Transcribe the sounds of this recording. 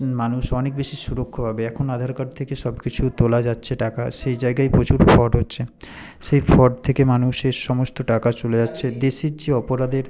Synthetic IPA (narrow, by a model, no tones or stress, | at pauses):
manuʃɔnek̚beʃiʃuɾokʰːobʱabeɛkʰonad̪ʱaɾkaɾt̪ʰekeʃɔbkit͡ɕʰut̪olad͡ʑatːɕʰeʈaka̰ʃejd͡ʑaeɡajpɾot͡ɕuɾfɔɖɦotːɕʰe | ʃejfʰɔɖ̚t̪ʰekemanuʃeʃɔmost̪oʈakat͡ɕoled͡ʑatːɕʰed̪eʃiɾt͡ɕiɔpoɾad̪eɾ